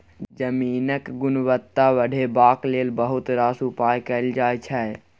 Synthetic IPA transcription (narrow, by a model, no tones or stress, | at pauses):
d͡ʒəmiːnəkɡʊnʋət̪ːaʋəɽʱebaːklelbəɦut̪ɾaːsupajkəɪld͡ʒaːjt͡ʃʰɛ